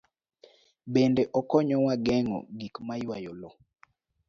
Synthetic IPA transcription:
bendɛʔɔkɔɲɔwaɡɛŋɔ̰ɡikmajwajɔlɔ

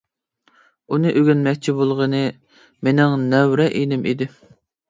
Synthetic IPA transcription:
unɨʔøɡʲynmɛkʲt͡ʃʰibolˠʁənɨ | menɪŋnɛwɾɛʔenɪmʔid̪ɪ

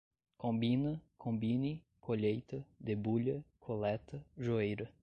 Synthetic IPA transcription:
kõmbinɐkʰõmbini | kʰoʎejt̪ɐd̪ebuʎɐkʰolɛt̪ɐʒuejɾɐ

